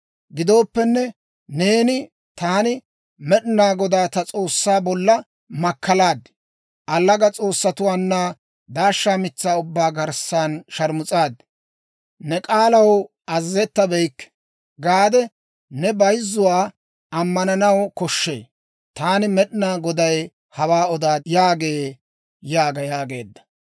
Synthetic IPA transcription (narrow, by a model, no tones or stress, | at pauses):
ɡɪd̪o̞ːpːɛnːɛ | ne̞ːnɪ | t̪aːnɪ | mɛɗɪnaːɡɔd̪aːt̪ɐt͡sʼo̞ːsːaːbɔlːɐ | mɐkːɐlaːd̪ | ʔɐlːɐɡɐt͡sʼo̞ːsːɐt̪ʊwaːnːa | d̪aːʃːaːmɪt͡sːaːʊbːaːɡɐɾsːaːnʃɐɾmʊt͡sʼaːd̪ | nɛkʼaːlɐw | ʔɐzːɛt̪ːɐbɛjkː | ɡaːd̪ɛ | nɛbɐjzːʊwaː | ɐmːɐnɐnɐwkɔʃːḛː | t̪aːnɪmɛɗnaːɡɔd̪ɐj | hɐwaːɔd̪aːjaːɡe̞ː | jaːɡɐjaːɡe̞̰ːd̪ːɐ̥